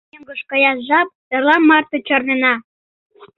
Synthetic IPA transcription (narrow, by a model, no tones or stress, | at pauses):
əŋɡəʃkɤ̆jɑsʒɑp̚t̪ɤ̆rlɑmmɑrt̪ot͡ɕornenɑ